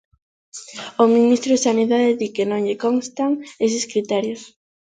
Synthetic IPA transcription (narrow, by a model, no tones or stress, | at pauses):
ominist̪ɾosaniðaðɪðikenõŋʎekoŋst̪aŋeseskɾit̪ɛɾjos